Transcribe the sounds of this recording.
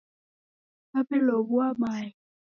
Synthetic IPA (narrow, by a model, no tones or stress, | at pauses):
apɛlɔβuamai